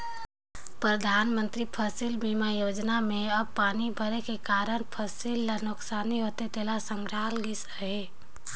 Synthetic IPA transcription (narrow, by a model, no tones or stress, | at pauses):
pɾəd̪ʱaːnmənt̪ɾipʰəsilmimajod͡ʒnameəbpanibʱəɾekekaɾənpʰəsilːanoksaniɦot̪et̪elasəmɾalɡisəɦe